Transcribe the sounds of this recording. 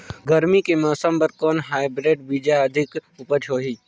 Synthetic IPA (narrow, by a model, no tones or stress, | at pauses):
ɡɐɾmikemɔːsəmbɐɾkoːnɦaːɪbɾeːɖbid͡ʒaɐd̪ʱɪkʊpəɾt͡ʃʰoːɦiː